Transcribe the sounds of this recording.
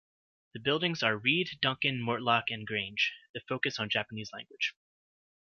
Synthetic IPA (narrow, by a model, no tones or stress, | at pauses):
ðɨbɪlˠdɪ̃ŋzə˞ɹiddʌ̃ŋkɨ̃nmɔɹtˡlɑkɨ̃nɡɹẽɪ̃nd͡ʒðɨfoʊkɨsn̩d͡ʒæpənizlæ̰̃ŋɡwɨd̥ʒ̥